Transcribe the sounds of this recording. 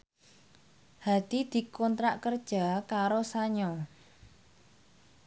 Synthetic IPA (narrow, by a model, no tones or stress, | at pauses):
had̪̥id̪̥i̤kɔnt̪ɾaʔkərd̥ʒ̥a̤kaɾosaɲɔ